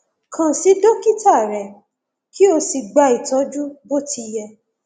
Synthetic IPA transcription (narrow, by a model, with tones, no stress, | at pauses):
kʰã˨si˨˦do˦ki˦ta˦˨ɾɛ˨ | ki˦o˧si˧ɡ͡ba˧i˨tɔ˨˦d͡ʒu˦bo˦ti˧jɛ˧